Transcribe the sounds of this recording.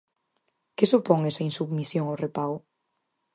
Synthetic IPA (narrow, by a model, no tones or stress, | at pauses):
kɪsupɔŋesainsuβmisjoŋawrepaɣʊ